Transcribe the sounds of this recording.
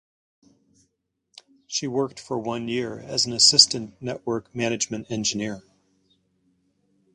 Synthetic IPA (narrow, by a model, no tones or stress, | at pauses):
ʃiwɜ˞k̚tfə˞wʌ̃njɪɹɨ̰zn̩ɨsɪstɨ̃nːɛʔwɜ˞kmænɨd͡ʒmɨ̃ntɛ̃nd͡ʒɨnɪɹ